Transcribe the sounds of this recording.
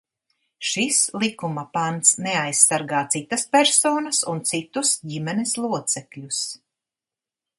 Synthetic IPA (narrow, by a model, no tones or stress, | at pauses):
ʃislˠikumɐpant̪snɛajsːaɾɡaːt̪sit̪ɐspɛɾsoːnɐsunt̪sit̪usɟimɛneslˠuɔt̪sɛkʎʲus